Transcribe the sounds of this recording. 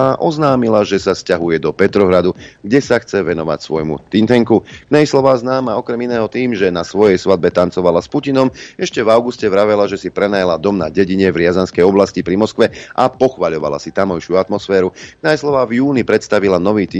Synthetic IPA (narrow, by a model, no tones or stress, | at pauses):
aʔɔznaːmilaʒɛsafscaɦujɛd̪ɔpɛt̪ɾɔɦɾad̪uɡɟɛsaxt͡sɛʋɛnɔʋa̰csʋɔjmṵt̪int̪ɛŋkuknajslɔʋaːznaːmaɔkɾɛminɛːɦɔt̪iːmʒɛnasʋɔjɛjsʋad̪̚bɛt̪ant͡sɔʋalaspucinɔmɛʃcɛvaʊɡuscɛʋɾaʋɛlaʒɛsipɾɛnajalad̪ɔmna̰ɟɛɟiɲɛvɾɪazanskɛjɔblascipɾimɔskʋɛʔapɔxʋaʎɔʋa̰la̰sit̪amɔjʃɪuat̪mɔsfɛːɾuknajslɔʋaːvjuːnipɾɛt̪st̪aʋilanɔʋiːt̪i